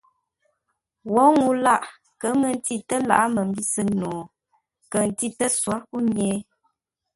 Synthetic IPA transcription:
wɔ˨˦ŋu˦la˦˨ʔ | kə˨˦mə˨n̩˦ti˦tə˦la̰˨ʔa˦mə˨m̩˦bi˦sɨ˦no˨ | kə˨n̩˨ti˦tə˦swa˦ku˦ɲɛː˦

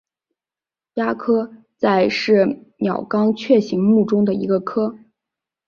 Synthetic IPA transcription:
ja˥kʰɤ˥ | t͡sa˥˧ɪʂɻ̩˥˩mjɑ˨˩ʊkɑ˥ŋt͡ɕʰɥɛ˥˩ɕi˧˥ŋmu˥˩ʈ͡ʂʊ˥ŋd̪ə˨ḭ˧˥ɡə˧kʰɤ˥

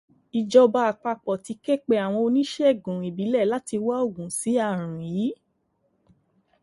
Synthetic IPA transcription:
i˨d͡ʒɔ˧ba˧a˨k͡pa˧k͡pɔ˨ti˧˦kɛ˦˨k͡pe˧a˨w̃ɔ̃˧o˧nĩ˦ʃɛ˦˨ɡũ˨i˨bi˨˦lɛ˦˨la˦ti˧wa˦o˦˨ɡũ˨si˨˦a˦˨ɾ̃ũ˨ji˨˦

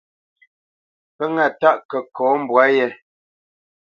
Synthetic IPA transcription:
pə˦ŋa˨ta˦˨ʔkə˨kɔː˨˦m̩˨bwa˨˦jɛ˦

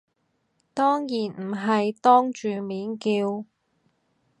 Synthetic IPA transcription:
t̪ɔː˥ŋjiː˨˩nm̩˨˩ɦɐ˨jt̪ɔː˥ŋt͡ʃyː˨miː˨˥nkiː˧w

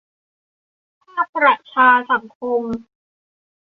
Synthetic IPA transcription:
a˥na˦˥pʰɾa˨˩t̚t͡ɕʰaː˧sa˨˩˦ŋkʰo˧m

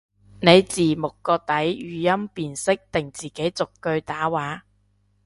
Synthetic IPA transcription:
ne˨˧jt͡siː˨˩mʊ˨kːɔː˧t̪ɐ˨˥jjyː˨˧jɐ˥mpiː˨nsɪ˥k̚t̪ɪ˨˩ŋt͡siː˨˩ke˨˥jt͡sʊ˨kːɵ˧ɥt̪aː˨˥waː˨˥

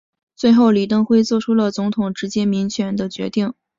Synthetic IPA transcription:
t͡swe˥˧ɪxo˥˩ʊli˨˩t̪ɤ˥˧ŋxwe˥˧ɪt͡swɔ˥˩ʈ͡ʂʰu˥lə˨t͡sʊ˧˥ŋt̪ʰʊ˨˩ŋʈ͡ʂɻ̩˧˥t͡ɕjɛ˥mi˧˥ŋɕʰɥɛ˧˥nd̪ə˧t͡ɕɥɛ̰˧˥t̪i˥˩ŋ

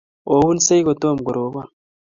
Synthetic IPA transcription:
o˨wu˦nse˦jɡo˨to˦˨m˨ɡo˨ɾo˨βa˦˨

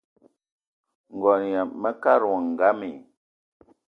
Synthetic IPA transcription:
ŋ̩˨ɡɔ˨n˨ja˨mə˦ka˦ɾɔ˨ŋ˨ɡa˦mi˨

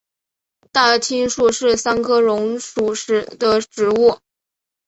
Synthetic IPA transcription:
t̪a˥˩t̪ʰi˥nʂu˥˧ʂɻ̩˥˩sa˥nkʰɤ˥ɻʊ˧˥ŋʂu˨˩ʂɻ̩˧˥d̪ə˧ʈ͡ʂɻ̩˧˥u˥˩

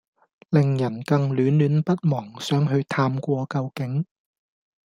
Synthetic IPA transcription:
lɪ˨ŋjɐ˨˩nkɐ˧ŋlyː˨˥nlyː˨˥npɐ˥t̚mɔː˨˩ŋsœː˨˥ŋɦɵ˧ɥt̪ʰaː˧mkʷɔː˧kɐ˧wkɪ˨˥ŋ

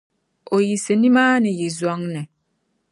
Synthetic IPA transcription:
o˨ji˨se˨nĩ˦maː˦nɪ̃˨ji˨zwɔ˦ŋnɪ̃˨

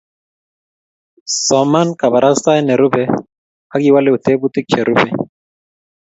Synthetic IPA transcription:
sɔ˨ma˦nka˨ba˨ɾʔa˦st̪a˦ɛnɛ˨ɾu˦bɛ | ha˦ɡi˦wa˦lɛ˦u˨t̪ɛ˦bu˦t̪i˦k̚t͡ʃɛ˨ɾu˦bɛ˨

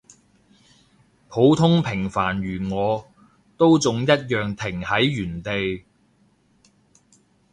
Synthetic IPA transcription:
pʰo˨˥wt̪ʰʊ˥ŋpʰɪ˨˩ŋfaː˨˩nɥyː˨˩ŋɔː˨˧ | t̪o˥wt͡sʊ˨ŋjɐ˥t̚jœː˨ŋt̪ʰɪ˨˩ŋhɐ˨˥jːyː˨˩nt̪e˨j

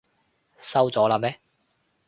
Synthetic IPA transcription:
sɐ˥wt͡sɔː˨˥laː˧mɛː˦˥

